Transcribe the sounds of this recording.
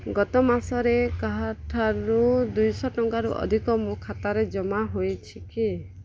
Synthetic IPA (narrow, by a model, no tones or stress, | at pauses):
ɡɔt̪ɔmasɔɾekaɦaʈʰaɾud̪ujsɔʈɔŋkaɾuʔɔ̰d̪ʱikɔmukʰat̪aɾed͡ʒɔmaɦojt͡ʃʰiki